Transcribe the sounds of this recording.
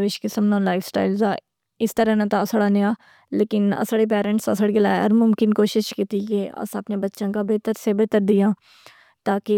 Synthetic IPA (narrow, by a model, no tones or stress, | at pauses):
ʋeʃkesəmnãːlaːɪfsʈa̰ːɪlzaː | ɪst̪əɾɛ̃ːnãːt̪ãːsəɽaːneaː | leːkɪnə̰səɽeːp̬ɛːɾə̃ɳʈsə̰səɽeɡɪla̰ːə̰ɾmʊmkɪnkoːʃɪʃkɪt̪iːɡeːə̰səpnẽːbətːʃãːkaːbeːt̪əɾseːbəːt̪əɾd̪ɪjãː | t̪aːkɪ